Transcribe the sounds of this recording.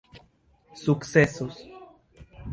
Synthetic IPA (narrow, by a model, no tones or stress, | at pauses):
suksesos